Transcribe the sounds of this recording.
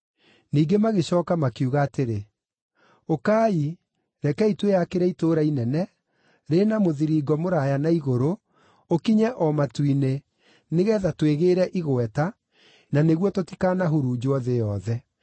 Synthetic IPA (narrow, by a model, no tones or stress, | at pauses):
niːɡemaɣeɕɔːkamakuɣaːteɾe | okaːi | ɾɛkɛitwejakeɾɛitoɾainɛnɛ | ɾenamoðiɾiɡɔmoɾajanaiɣoɾo | okiɲɛʔɔmatwine | neɣɛːðatweɣeɾɛʔiɣwɛta | naneɣwɔtoti̥kanaɦuɾud͡ʑoɔðejɔðɛ